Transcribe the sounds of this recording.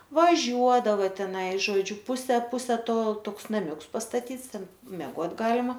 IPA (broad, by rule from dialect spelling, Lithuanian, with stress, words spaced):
ʋɐˈʒʲuɔdɐʋɐ tʲɛˈnɐɪ ʒoːˈd͡ʒʲʊ ˈpʊsʲɛ ˈpʊsʲɛ ˈtoː ˈtoːks nɐˈmʲʊks pɐstɐˈtʲiːts ˈtʲɛn mʲɛˈɡoːtʲ ˈɡɑːlʲɪmɐ